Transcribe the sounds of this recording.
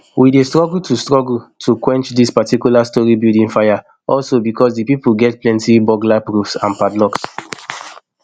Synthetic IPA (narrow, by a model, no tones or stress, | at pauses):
wʔidestɹɔɡl̩tʰustɹɔɡl̩tʰukwɛ̃nt͡ʃdispatikjulastɔɹibildĩnfaja | ɔlsobikʰɔsdipipul̩ɡɛt̚plɛ̃ntibɔɡlapɹufsã̰npadlɔks